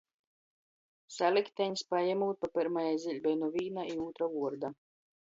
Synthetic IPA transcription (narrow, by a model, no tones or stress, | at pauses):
salʲikt̪ʲɛɲʲspajamuːt̪̚papiɾmajajzʲilʲbʲɛjnɔvʲiːnaiuːt̪ɾavuɔɾd̪a